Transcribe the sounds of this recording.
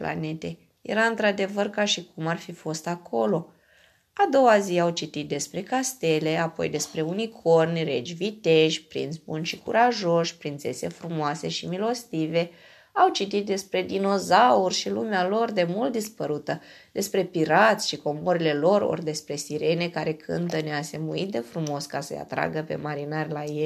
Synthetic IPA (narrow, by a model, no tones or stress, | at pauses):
pla̰net̪e | jḛɾaɨnt̪ɾad̪e̞vərkaʃikumarfifo̞st̪akʰo̞lo̞ | ad̪o̞waziawt͡ʃit̪it̪̚d̪e̞spɾe̞kast̪e̞le̞apo̞̰jd̪e̞spɾe̞unikʰo̞rnʲre̞d͡ʒʲvit̪e̞ʃʲpɾḭnt̪sbunʃikuɾaʒo̞ʃʲpɾint̪sḛse̞fɾumoase̞ʃimilo̞st̪ive̞ | awt͡ʃit̪it̪̚d̪e̞spɾe̞d̪ino̞zaurʲʃilumealo̞rd̪e̞mult̪̚d̪ispəɾut̪ə | d̪̥e̞spɾe̞piɾat̪sʲʃiko̞mo̞ɾile̞lo̞ɾo̰rʲd̪e̞spɾe̞siɾe̞ne̞kaɾe̞kʰɨ̰nt̪ənease̞muit̪̚d̪e̞fɾumo̞skasə̰ja̰t̪ɾa̰ɡəpe̞̰maɾinarʲlajelʲ